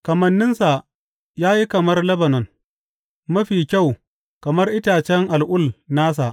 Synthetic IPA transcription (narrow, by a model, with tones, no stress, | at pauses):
kɐ˨mɐ˨nːɪ˦nsa˨ | jaː˦ji˦kɐ˨mɐ˦rlɐ˦bɐ˨nɔ˨n | mɐ˦ɸiː˨kʲa˦˨w | kɐ˨mɐ˦rʔɪ˦taː˨t͡ʃɛ˦ŋʔa˨lʔʊ˦˨lnaː˦s̬a˨ʔ